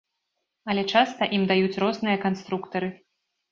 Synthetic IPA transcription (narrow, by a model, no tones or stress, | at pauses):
ɐlʲɛt͡ʂast̪ɐʔimd̪ajut͡sʲrɔznɨjɐkanst̪ɾukt̪ɐɾɨ